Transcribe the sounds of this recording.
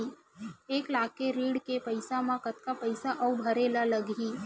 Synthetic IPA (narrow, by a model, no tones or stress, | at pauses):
i | eːklaːkeɾiːɽkepəɪsamãkɐt̪kapɐɪsaʔɐubʱɐɾeːlalɐɡiː